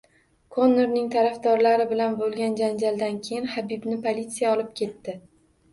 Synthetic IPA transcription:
kʰonːɪɾnɪŋt̪ʰaɾafd̪ɒɾlaɾɪbɪlanbolˠɡʲand͡ʒand͡ʒald̪ankʲʰejɪnhabibnɪpʰolʲit̪sijaɒlˠɪp̚kʲʰe̞t̪ːɪ

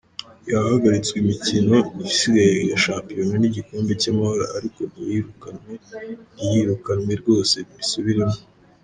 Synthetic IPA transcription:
jahaɡaɾit͡swimicino̞ifsiɡajeɡaʃaːpijoneniɟikoːmbe̞camahaɾa̰aɾiko̞iɾukanweijiɾukanwe̞ɾɡo̞ːse̞βiɾisuβiɾemo

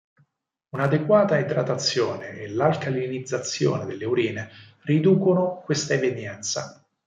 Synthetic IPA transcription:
unad̪ekwaːt̪aet̪ɾat̪at̪sːjoːneelalkalinid̪zːat̪sːjo̰ːned̪elːeuɾiːne | rid̪uːkonokwest̪aeved̪jɛnt̪sa̰

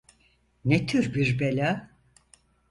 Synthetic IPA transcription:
net̪ʰyɾbiɾbelʲa

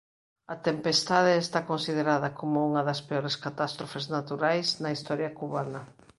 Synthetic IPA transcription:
ɐt̪empest̪aðeːst̪akonsið̞eɾaðɐkomouŋɐðɐspeoɾeskat̪ast̪ɾofeznat̪uɾajznɐist̪ɔɾjɐkuβanɐ

